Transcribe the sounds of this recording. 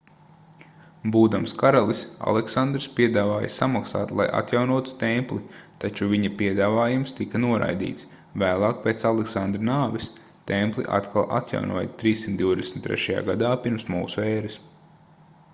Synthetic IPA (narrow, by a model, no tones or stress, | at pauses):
buːd̪amskaɾalˠisa̰lˠeksand̪ɾspʲiɛd̪aːvaːjə̰samaksa̰ːt̪lˠa̰jʔa̰t̪jawnuɔt̪u̥t̪ɛmplˠit̪at͡ʃuviɲɐpiɛd̪aːvaːjumst̪ikɐnuɔɾa̰jd̪ḭːt̪s | væːlˠɑːk̚peːt̪salˠeksand̪ɾinaːvis | t̪ɛmplˠḭʔa̰t̪kʰalˠʔa̰t̪ja̰wnṵɔjət̪ɾiːsːimt̪d̪iwd̪esm̩it̪ːɾɛ̰ʃaja̰ːɡad̪aːpiɾmsmṵːsuɛːɾis